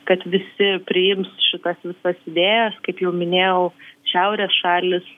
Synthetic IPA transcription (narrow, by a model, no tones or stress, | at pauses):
kɐt̪ʋʲɪsʲɪpʲɾʲɪjɪmsʃʲɪt̪ɐsʋʲɪsɐsɪd̪ʲeːjɛskɐɪpjɛʊmʲɪnʲeːjɛʊʃʲɛʊɾʲɛːsʃɑːlʲɪs